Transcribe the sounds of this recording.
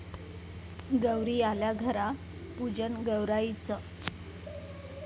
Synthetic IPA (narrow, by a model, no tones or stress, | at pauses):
ɡəwɾiːaljaɡʱəɾa | pud͡ʑənɡəwɾait͡sə